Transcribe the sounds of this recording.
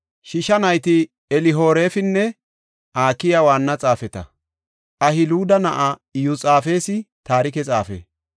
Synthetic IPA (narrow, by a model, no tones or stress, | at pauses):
ʃɪʃɐnɐjt̪ɪ | ɛlɪɦo̞ːɾeːfɪnːɛ | aːkːɪjɐwaːnːɐt͡sʼaːfɛt̪ɐ̰ | ʔɐhɪluːd̪ɐnɐʔajut͡sʼaːfe̞ːsɪt̪aːɾɪkɛt͡sʼaːfḛ